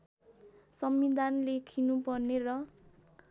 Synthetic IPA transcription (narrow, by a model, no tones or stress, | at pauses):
sʌmid̪anlekʰinupʌrnerʌ